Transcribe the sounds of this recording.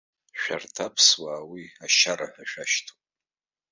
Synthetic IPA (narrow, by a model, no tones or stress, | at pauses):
ʃᶣa̰rtʰapʰswaːwiaʃaɾaħᶣaʃᶣaʃtʰupʼ